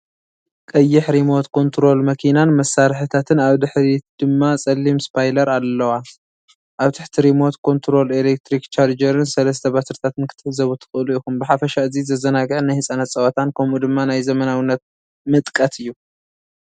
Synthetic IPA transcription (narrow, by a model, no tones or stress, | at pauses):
kʼɐjːɪħɾimo̞t̪kʰo̞nt̪ʰɾo̞lmɐkʰinanmɐsːaɾħɨt̪ʰat̪ʰɨnaβd̪ɨħɾid̪̥ɨmːasʼɐlːimspʰajlɐɾalːɐwa | ʔaβt̪ʰɨħt̪ʰiɾimo̞t̪kʰo̞nt̪ʰɾo̞lelek̚t̪ʰɾikt͡ʃʰaɾd͡ʒɐɾɨnsɐlɐst̪ʰɐbasɾɨt̪ʰat̪ʰɨnkʰɨt̪ʰːɨ̥ħzɐβut̪ʰɨ̥xʼɨʔluikumbɨħafɐʃaɨzizɐzɐnaɡɨʕnajhɨsʼanɐt̪t͡sʼɐwɐt̪ʰankʰɐmud̪ɨmːanajzɐmɐnawɨnːɐt̪̚ | mɨt̪ʼkʼɐt̪ʰɨjːu